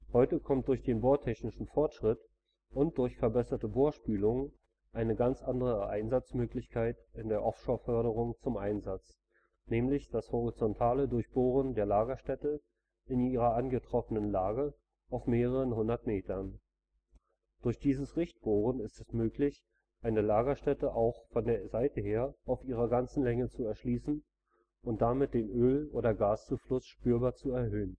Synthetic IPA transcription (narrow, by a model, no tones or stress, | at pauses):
hɔʏtəkʰɔmt̚d̥ʊɐçd̥eːnboːɐtʰɛçnɪʃn̩fɔɐtʃʁ̥ɪt | ʔʊnt̚d̥ʊɐçfɛɐbɛsɐtəboːɐʃpyːlʊŋ | ʔaɪnəɡant͡sʔandəʁ̞əʔaɪnzat͡smøːklɪçkʰaɪtɪndeːɐʔɔfʃoːɐfœɐɾəʁ̞ʊŋt͡sʊmʔaɪnzat͡s | nɛːmlɪçd̥ashɔʁit͡sɔntʰaːlədʊɐçb̥oːʁəndeːɐlaːɡɐʃtɛtə | ɪniːʁɐʔanɡətʁ̥ɔfənənlaːɡə | ʔaʊfmeːʁəʁənɦʊndɐtmeːtɐn | d̥ʊɐçd̥iːzəsʁɪçt̚b̥oːʁənɪstɛsmøːklɪç | ʔaɪnəlaːɡɐʃtɛtəʔaʊxfɔndeːɐzaɪtəɦeːɐaʊfʔiːʁ̞ɐɡant͡sn̩lɛŋət͡suɛɐʃliːsn̩ | ʔʊnt̚d̥amɪt̚d̥eːnʔøːlʔoːɾɐɡaːst͡suflʊsʃpyːɐbaːɐt͡suɛɐɦøːən